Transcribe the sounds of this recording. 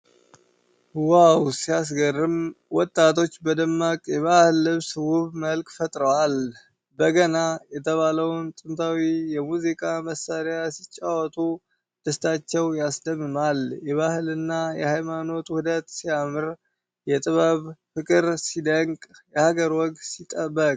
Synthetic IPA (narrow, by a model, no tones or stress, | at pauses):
wawsijas̬ɡərːɨmwɔt̪ʼːat̪ʰo̞t͡ʃːbəd̪əmːakʼjɛβahɨlːɨβsɨwuβməlkʼfət̪ʼɾəwal | bəɡənajɛt̪ʰəβaləwnt̪ʼɨnt̪ʰawijɛmuzikʼaməsːaɾjjasit͡ʃʼːawɔt̪ʼu | d̪̥əst̪ʰat͡ʃːɛwjasd̪əmːɨmaljɛβahɨlɨnːajɛ̰hajmano̞t̪uhud̪ət̪sijamɨɾ | jɛt̪ʼɨβəβfɨkʼɨɾsid̪əŋkʼjɛhaɡəɾwɔɡsit̪ʼːəbːəkʼ